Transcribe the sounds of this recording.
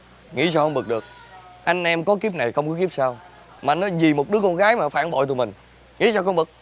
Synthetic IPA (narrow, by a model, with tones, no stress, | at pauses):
ŋḭ˧˥saː˧wxə˧wŋ͡mɓɨ˨˩k̚ɗɨ˨˩ək̚ʔa˧jŋ̟ʔɛ˧mkɔ˨˦ki˦˥p̚na˨˩jxə˧wŋ͡mkɔ˨˦ki˦˥p̚saː˧w | maː˨˧nːɔ˨˦zi˨˩mo˨˩t̚ɗɨ˨˦˥əkɔ˧nɣaː˨˦jmaː˨˩faː˧˩nɓo̰˧˨t̪u˨˩mï˨˩ŋ̟ | ŋḭ˧˥saː˧wxə˧wŋ͡mɓɨ˨˩k̚